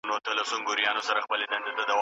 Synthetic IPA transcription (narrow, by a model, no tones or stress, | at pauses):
not̪alasoŋɡʊɾjɑnosaɾaxpəled̪and̪ed̪əd̪aw